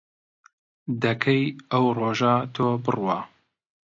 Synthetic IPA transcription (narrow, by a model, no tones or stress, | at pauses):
d̪ɐkʰɐjɐwroːʒat̪ʰoːbɨrwaː